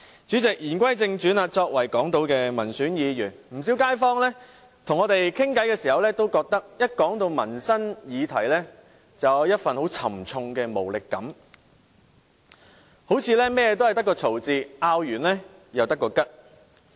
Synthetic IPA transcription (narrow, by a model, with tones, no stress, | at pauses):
t͡ʃyː˨˥t͡sɪ˨k̚jiː˨˩nkʷwɐ˥jt͡sɪ˧ŋt͡ʃyː˨˥naː˧t͡sɔː˧k̚wɐ˨˩jkɔː˨˥ŋt̪o˧wkɛː˧mɐ˨˩nsyː˨˥njiː˨˧jyː˨˩nm̩˨˩s̬i˨˥wkaː˥jfɔː˥ŋlɛ˥ | t̪ʰʊ˨˩ŋːɔː˨˧t̪e˨jkʰɪ˥ŋkɐ˨˥jkɛː˧siː˨˩hɐ˨wlɛː˥t̪o˥wkɔː˧k̚t̪ɐ˥k̚jɐ˥t̚kɔː˨˥ŋt̪o˧wmɐ˨˩nsɐ˥njiː˨˧t̪ʰɐ˨˩jlɛ˥ | t͡sɐ˨wjɐ˥t̚fɐ˨nho˨˥wt͡sʰɐ˨˩mt͡sʰʊ˧ŋkɛː˧mo˨˩wlɪ˨kːɐ̰˨˥m | ho˨˥wt͡sʰiː˨˧lɛː˥mɛː˥jɛː˧t̪o˥whɐ˨jt̪ɐ˥kːɔː˧t͡sʰo˨˩wt͡siː˧ʔaː˧wjyː˨˩nlɛː˥jɐ˨wt̪ɐ˥kːɔː˧kɐ˥t̚